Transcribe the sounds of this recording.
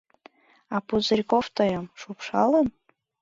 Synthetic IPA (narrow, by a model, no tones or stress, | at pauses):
ɑpuzɤrʲkoft̪əjə̆mʃupʃɑlən